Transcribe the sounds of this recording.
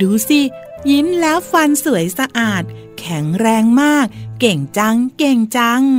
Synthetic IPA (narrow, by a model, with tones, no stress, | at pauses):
duː˧si˧˩ji˦˥mlɛː˦˥wfa˧nsɯ˨˩˦əjsa˧ʔaː˨˩t̪̚ | kʰɛ˩˦ŋɾɛː˧ŋmaː˥˩k̚ːe˨˩ŋt͡ɕa˧˥ŋke˨˩ŋt͡ɕa˧˥ŋ